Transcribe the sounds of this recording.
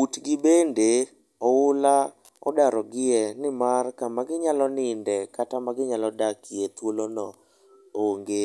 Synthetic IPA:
utɡɪbende | ɔʊla | ɔ̰daɾɔɡɪɛnɪmarkamaɡɪɲalɔnɪndɛkatamaɡɪɲalɔdakɪɛt̪wolonɔ | oŋɡe

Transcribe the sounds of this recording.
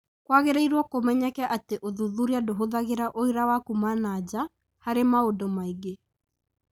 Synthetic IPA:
kwaɣeɾeiɾwɔkomɛɲɛkɛʔateʔoðuðuɾiadoɦoðaɣeɾaʔoiɾawakumanaːd͡ʑa | haɾemaodomaiɡe

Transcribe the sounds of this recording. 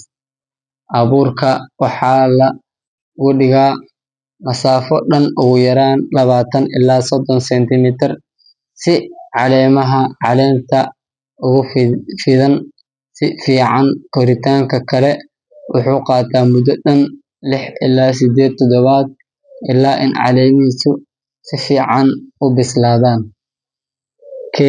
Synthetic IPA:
ʔɐβuːrkʰɐwɑħɑːlɐ | ɣʊɖɪɣaː | nɐsaːfɔɖɐnʊɣʊjɐɾaːnlɐβaːt̪ʰɐnɪ̰laːsɔd̪ɔnsɛnt̪ʰɪmɪt̪ʰɪr | sɪʕɑlɛːmɐɦɐʕɑlɛːmt̪ʰɐ | ʔʊɣʊfɪðɐn | sɪfiːʕɑnkʰɔɾɪt̪ʰaːŋkʰɐkʰɐlɛ | wʔʊħuːqɑːt̪ʰaːmʊd̪ɔɗɐn | lɪħʔɪ̰laːs̬ɪd̪ɛːd̪̚t̪ʰɔd̪ɔβaːd̪̚ | ʔɪlaːʔɪ̰nʕɑ̰lɛːmisʊ | sɪfiːʕɑnʊbɪslaːðaːn | kʰɛ

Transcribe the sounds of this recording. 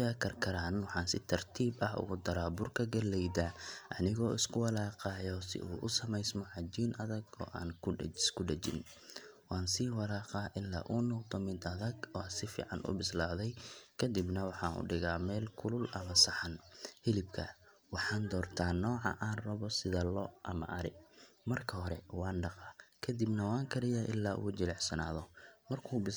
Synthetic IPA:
jaːkʰɐrkʰɐɾaːnwɑħɑːnsɪt̪ʰɐrt̪ʰiːbɐɦʊ̰ɣʊd̪ɐɾaːbʊrkʰɐɡɐlɛjd̪aːʔɐnɪɣɔːɪskʰʊwɑlɑːqɑːjɔsɪ̰ʔuːʔʊsɐmɛjsmɔʕɑd͡ʒiːnʔɐðɐɡɔ̰ːʔa̰ːnɪskʰʊɖɐt͡ʃɪ̰n | wɑːnsiːwɑlaːqɑːʔɪlːa̰ːʔʊnɔqd̪ɔmɪd̪ɐðɐɡɔːsɪfḭːʕɑ̰nʔʊ̰bɪslaːðɛjkʰɐd̪ɪbnɐwɑħɑːnʔʊ̰ɖɪɣaːmɛːlkʰʊlʊlɐmɐsɐħɐnhɪlɪbkʰɐ | wɑħɑːnd̪ɔːrt̪ʰaːnɔːʕɑ̰ʔaːnrɐβɔsɪðɐlɔʔɐ̰mɐ̰ʔɐɾɪ̰mɐrkʰɐɦɔɾɛwɑːnɖɑqɑkʰɐd̪ibnɐwaːŋkʰɐɾɪjaːʔɪ̰lːaːʔṵʊt͡ʃɪlɛħsɐna̰ːðɔmɐrkʰuːbɪ

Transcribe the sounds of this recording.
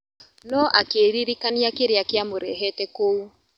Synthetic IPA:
nɔʔakeɾiɾikaniakeɾeakeamoɾɛɦɛtɛkou

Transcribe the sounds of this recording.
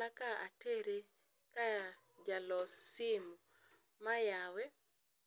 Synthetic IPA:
akaa̰teɾe | ka | d͡ʒalɔssɪmu | majawɛ

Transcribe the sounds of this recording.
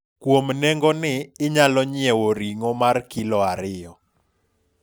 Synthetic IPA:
kwomnɛŋɡɔnɪːɲalɔɲɪɛwoɾiŋɔmarkilɔaɾɪjɔ

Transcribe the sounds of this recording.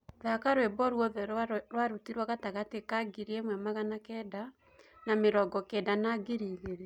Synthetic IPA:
ðakaɾwebɔɾwɔðɛɾwaɾutiɾwaɣataɣatekaɡiɾiemwɛmaɣanakɛda | nameɾɔɡɔkɛdanaɡeɾiːɣeɾe

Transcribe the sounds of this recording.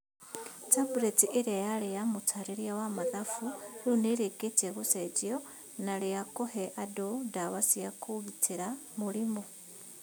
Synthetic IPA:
tabuɾetiʔiɾejalijamutʰaɾiɾjawamaðafuluneɾeketeɣuseɟio | nalijakoheʔadodaβasijakuβitiɾamulimo

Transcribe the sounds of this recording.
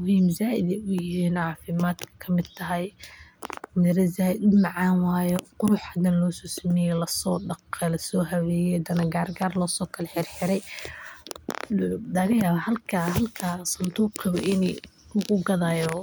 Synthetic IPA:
mʊɦiːmzaːʔɪd̪ɛʊjɪɦiːnʕɑːfɪmaːd̪kʰɐkʰɐmɪd̪t̪ʰɐɦɛj | mɪɾɐzaːɪmɑʕɑːnwaːjɔqʊɾʊħhɐd̪ɐnlɔːsɔːsɐmɛjɛlɐsɔːɖɐqɛlɐsɔːɦɐwɛːjɛd̪ɐnɐɡaːrɡaːrlɔːsɔːkʰɐlɛħɪrħɪɾɛj | lɐɣɐjaːβahɐlkʰaɦɐlkʰaːsɐnt̪ʰuːqʰɪβɔ̰ʔɪniʊɣʊɡɐðaːjɔː

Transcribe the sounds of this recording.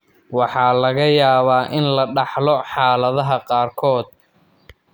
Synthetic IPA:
wɑħɑːlɐɣɐjaːβaːʔɪnlɐɖɑħlɔħɑːlɐðɐɦɐqɑːrkʰɔːd̪̚

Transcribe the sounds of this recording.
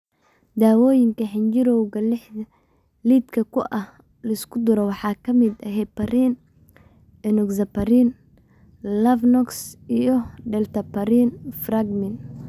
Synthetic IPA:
d̪aːwɔːjɪŋkʰɐɦɪnt͡ʃɪɾɔwɣɐlɪħɐ | liːd̪kʰɐkʰʊʔɐh | lɐɪskʰʊd̪ʊɾɔwɑħɑːkʰɐmɪd̪ɐɦɛpɐɾiːn | ɛnɔɡsɐpɐɾiːn | lɐfnɔksijɞɖɛlt̪ʰɐpʰɐɾiːnfraɡmɪn

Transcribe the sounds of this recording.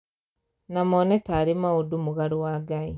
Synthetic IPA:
namɔnɛtaːɾemaodumuɣaɾowaːɡai

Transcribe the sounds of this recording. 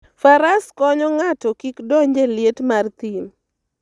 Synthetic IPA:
faɾaskɔɲɔŋatɔkikdɔɲd͡ʒelɪetmart̪im

